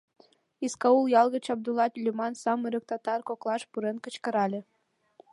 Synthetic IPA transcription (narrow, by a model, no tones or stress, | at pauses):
iskɑuljɑlˠɣə̆t͡ɕɑb̚d̪ulˠɑt̪ʲlʲimɑnsɑmeɾə̆k̚t̪ɑt̪ɑrkoklˠɑʃpuɾenkə̆t͡ɕkɤ̆ɾɑlʲĕ